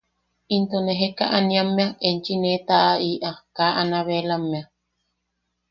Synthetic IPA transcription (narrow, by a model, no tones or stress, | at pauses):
int̪oneɦeka̰ʔanĩamːẽaʔent͡ʃinẽt̪aʔaiʔakaʔanaβelamːẽa